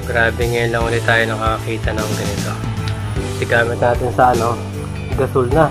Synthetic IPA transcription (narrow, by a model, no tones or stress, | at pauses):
ɡ̥ɾaːbɛŋɐjʊnlɐŋuːlɪt̪aːjonɐkɐkɐkiːt̪ɐnoŋɡɐnɪt̪o̞ | sɪɡaːmɪt̪̚naːt̪ɪnsɐʔɐno̞ | ɡɐsʊlnɐ